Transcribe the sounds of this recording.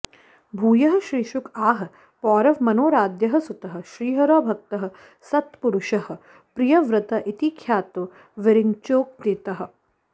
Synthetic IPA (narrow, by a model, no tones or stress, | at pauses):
bʱuːjɐɦɐ̆ʃɾiːʃukaːɦɐ̆ | pɔːɾɐʋmɐnoːɾaːd̪jɐɦɐ̆sut̪ɐɦɐ̆ʃɾiːɦɐɾoːbʱɐk̚t̪ɐɦɐ̆ | sɐt̪puɾʊʃɐhɐ̆ | pɾijɐʋɾɪt̪ɐʔit̪ikʰjaːt̪u | ʋɪɾiŋt͡ʃoːk̚d̪it̪ɐɦɐ̆